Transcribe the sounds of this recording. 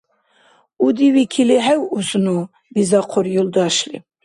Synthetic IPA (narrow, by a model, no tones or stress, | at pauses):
ud̪iwikʰiliɦɛwuznu | bizɑqʰɔɾjuld̪ɑʃlḭ